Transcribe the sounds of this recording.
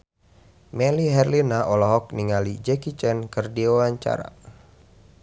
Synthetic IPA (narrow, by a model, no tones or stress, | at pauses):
mɛliɦɛrlinaʔɔlɔɦɔk̚niŋalid͡ʒɛkit͡ʃɛnkɨrdiwawaɲt͡ʃa̰ɾa̰